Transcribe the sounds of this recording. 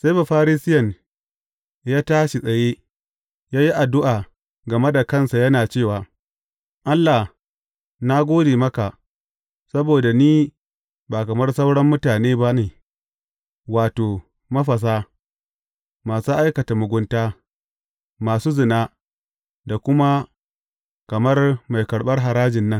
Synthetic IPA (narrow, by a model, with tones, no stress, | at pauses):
sa˦ba˨ɸaː˦ɾiː˦sɪ˦jɐ˨n | jaː˦taː˦ʃi˨sʼɐ˨jeː˦ | jaː˦ji˦ʔa˨dʊ˦ʔaː˨ | ɡɐ˨me˦da˨kɐ˦˨nsa˨jɐ˦naː˨t͡ʃeː˦˨waː˨ | ʔa˦lːa˨h | na˦ɡʷoː˦deː˨mɐ˦ka˨ʔ | sɐ˦boː˨da˨niː˦ | baː˨kɐ˨mɐ˦rsɐ˦wɽɐ˦mːʊ˦taː˨neː˦ba˦neː˨ | waː˨toː˨ | mɐ˦ɸɐ˨s̬aː˦ | maː˨su˦ʔa˦jkɐ˨ta˨mʊ˨ɡʷʊ˦ntaː˦ | maː˨suː˦zɪ˨na˦ | da˨kʷʊ˦ma˦ | kɐ˨mɐ˦rma˨jkɐ˨ɽɓɐ˦rɦa˨ɾaː˦d͡ʒɪ˨nːɐ˦ŋ